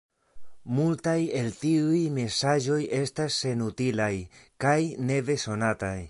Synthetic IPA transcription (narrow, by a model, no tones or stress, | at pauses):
multaje̞ltiujme̞sad͡ʒo̞je̞stasːe̞nutilajkajne̞ve̞so̞nataj